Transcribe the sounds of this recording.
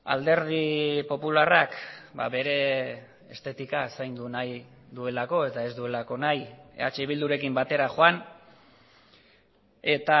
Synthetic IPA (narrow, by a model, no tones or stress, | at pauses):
a̰ld̪e̞ɾð̞ipo̞pularakba̰βe̞ɾe̞ | est̪e̞t̪ikasajnd̪unajd̪ue̞lako̞e̞t̪ae̞zd̪ue̞lako̞najḛat͡ʃe̞iβ̞ild̪uɾe̞kimbat̪e̞ɾaʝoan | e̞t̪a